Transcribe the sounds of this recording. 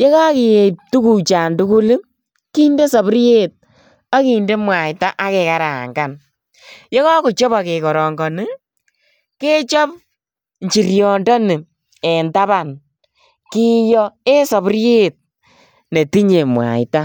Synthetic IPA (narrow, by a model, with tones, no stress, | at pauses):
je˦ka˦ki˨je˨p̚tu˦ku˨t͡ʃa˨ntu˦ku˦li˦ | ki˦nde˦sɔ˨bɾje˦t̚ | a˦ki˨nde˦mwa˨jta˦ʔa˦ke˨ka˨ɾa˨ŋɡa˨n | jɔ˦kɔ˦kʊ˨t͡ʃɔ˦pa˨ke˨kɔ˨ɾɔ˨ŋɡɔ˨nɪ˦ | ke˦t͡ʃɔ˦p̚ | ɲt͡ʃi˨ɾjɔ˨ndɔ˦nɪ˨ | e˨nta˦βa˨n | ki˦jɔ˦e˦sɔ˨pɾje˦t̚ | ne˨ti˦ɲe˨mwa̰˨jta˦